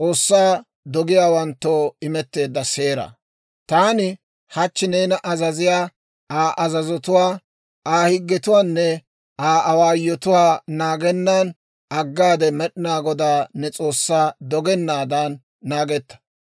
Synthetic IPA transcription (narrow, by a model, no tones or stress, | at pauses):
t͡sʼo̞ːsːaː | d̪ɔɡɪjaːwɐnt̪ːoːɪmɛt̪ːe̞ːd̪ːɐse̞ːɾɐ̰ | t̪aːnɪ | hɐt͡ʃːɪneːnɐʔɐzɐzɪjaː | aːʔɐzɐzɔt̪ʊwaː | aːhɪɡːɛt̪ʊwaːnːɛ | aːʔɐwaːjːɔt̪ʊwaːnaːɡɛnːaːn | ɐɡːaːd̪ɛmɛɗɪnaːɡɔd̪aːnɛt͡sʼo̞ːsːaːd̪ɔɡɛnːaːd̪anː | aːɡɛt̪ːɐ̥